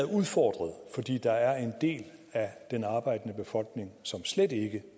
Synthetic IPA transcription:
ð̩ˠuð̞ˠfɒ̰ːd̥ʁɐð̞ˠfɒ̽d̥ḭːd̥ɑ̈æɐe̝nd̥e̝̰ːlæd̥enɑ̈ːb̥ɑ̈ɪ̰d̥ənəb̥e̝fɒ̽l̰ɡ̥ne̝ŋsɒ̽msled̥e̝ɡ̥ə

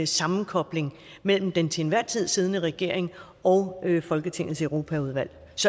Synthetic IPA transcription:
sɑ̈mn̩kʰɒ̽b̥le̝ŋ | mel̰m̩d̥ent͡sʰenʋæɐ̰t͡sʰið̞̰ˠsiːð̞ˠnəʁɛɡ̥e̝ɐ̰e̝ŋ | ɒ̽ʊøfɒ̽lɡ̥ət͡sʰe̝ŋ̰l̩ˠsəʊʁo̝ːpʰæuð̞ˠʋæl̰ | sɒ̽

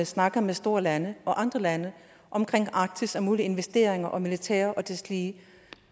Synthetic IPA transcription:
snɑ̈ɡ̥ɐmesd̥o̝ːɐlænəʔɒ̽ʔɑ̈nd̥ʁɐlænə | ʔɒ̽mkʰʁeŋ̰ɑ̈ːɡ̥̚t͡sʰisɒmuːlie̝nʋesd̥e̝ːɐeŋɐʔɒ̽milit͡sʰɛ̰ːɐʔɒ̽d̥esliː

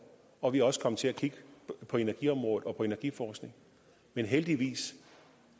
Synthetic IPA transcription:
ɒ̽ʋiɑɒ̽sə̥kʰɒ̽mət͡sʰe̝ækʰiɡ̥əpʰɒ̽e̝næɐɡ̥iɒ̽mʁɔ̽ːð̩ˠɒ̽pʰɒ̽e̝næɐɡ̥ifɒːsɡ̥ne̝ŋ | menɦeld̥iʋḭːs

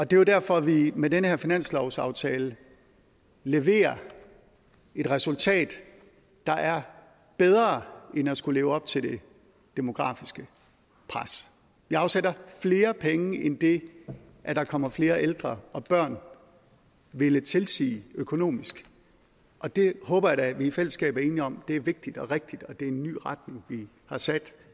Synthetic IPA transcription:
ɒ̽d̥e̝jo̝dæɐ̰fɒ̽ʋimedenəheɐ̰finæn̰slɒʊsɑ̈ʊt͡sʰɛːlə | leʋe̝̰ːɐ | e̝d̥ʁɛsult͡sʰɛ̰ːd̥ː | ɑ̈ʔæɐ | b̥eð̞ˠʁɐːenæsɡ̥ule̝ːʊɒ̽b̥̚t͡sʰe̝ld̥e̝ | d̥e̝mo̝ɡ̥ʁɑ̰̈ːfisɡ̥ə | pʰʁas | ʋiɑ̈ʊsed̥ɐfle̝ːɐpʰeŋəʔend̥e̝ | ʔæd̥ɑ̈kʰɒ̽m̰ɐfle̝ːɐʔeld̥ʁɐɒ̽b̥ɶɐ̰n | ʋe̝lət͡sʰe̝lsḭːøkʰo̝no̝̰ːmisɡ̥ | ʔɒ̽d̥e̝hɔ̽ːb̥ɐjɑ̈dæʋifel̰əsɡ̥ɛ̰ːb̥æɐe̝ːniɒ̽md̥e̝æɐʋe̝ɡ̥̚d̥id̥ɒ̽ʁeɡ̥̚d̥id̥ɒ̽d̥e̝e̝nːy̰ːʁɑd̥ne̝ŋʋi | hɑ̈sæd̥

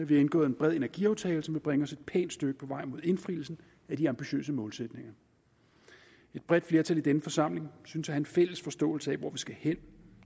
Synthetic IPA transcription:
æʋienɡ̥ɔ̰̽ːð̩ˠenb̥ʁɛðˠe̝næɐɡ̥ḭɑʊt͡sʰɛːlsɒ̽mʋe̝b̥ʁeŋəɒ̽se̝d̥̚pʰɛ̰ːnd̥sd̥øɡ̥əpʰɒ̽ʋɑ̈ɪ̰mo̝ðˠe̝nfʁiːl̩sn̩ | æd̥iɑ̈mb̥iɕø̰ːs̬əmɔ̽ːlsed̥ne̝ŋɐ | e̝d̥̚b̥ʁɛd̥fle̝ɐt͡sʰælid̥enəfɒ̽sɑ̈m̰le̝ŋsynsæhænfel̰əsfɒ̽sd̥ɔ̰̽ːl̩səɛʋɒʋisɡ̥æhen̰

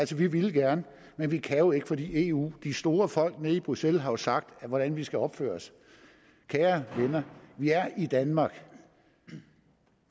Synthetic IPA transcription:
ælsɒʋiʋiləɡ̥æɐnə | menʋikʰæjo̝e̝ɡ̥əfɒ̽d̥ḭːe̝ṵːd̥isd̥o̝ːɐfɒ̽l̰ɡ̥neib̥ʁuselɦɑ̈jo̝sɑ̈ɡ̥̚d̥ʋɒɾ̥ænʋisɡ̥æɒ̽b̥fø̰ːɐs | kʰæːɐʋenɐʋiæɐid̥ænmɑ̈ːɡ̥

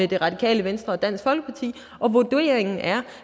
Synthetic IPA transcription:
ed̥e̝ʁɑ̈d̥ikʰɛ̰ːləʋensd̥ʁɐɒ̽d̥æn̰sɡ̥fɒ̽l̰ɡ̥əpʰɑ̈t͡sʰḭː | ʔɒ̽ʋod̥ue̝̰ːɐeŋn̩ʔæɐ

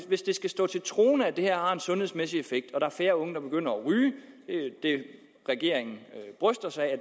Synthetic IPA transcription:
ʋe̝sd̥e̝sɡ̥æsd̥ɔ̰̽ːt͡sʰe̝lt͡sʰʁo̝̰ːnəæd̥ehæɐ̰hɑ̈e̝nsɔ̽nhe̝ðˠsmesiefeɡ̥̚d̥ɒ̽ɾ̥ɑ̈æɐfeːɐɔ̽ŋəd̥ɑ̈b̥e̝ɡ̥øn̰ɐɒʁy̥ː | d̥e̝ | ʁɛɡ̥e̝̰ɐ̰eŋn̩b̥ʁœsd̥ɐsɑ̈ɪæ

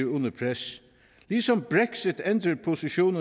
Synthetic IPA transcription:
ʊnəpʰɾɛs | liːsɔmbɹɛksɪt̪ɛnd̪ɾəɾpʰʊsɪʃuːnə

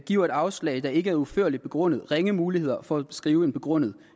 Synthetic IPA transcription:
ɡ̥iɐ̰e̝d̥ɑ̈ʊslɛ̰ɪd̥ɑ̈e̝ɡ̥əæɐuføɐ̰lid̥̚b̥e̝ɡ̥ʁɔ̽n̰ð̩ˠʁeŋəmuːlihe̝ð̰ˠɐfɒ̽æ̥sɡ̥ʁiːʊe̝nb̥e̝ɡ̥ʁɔ̽n̰ð̞̩ˠ

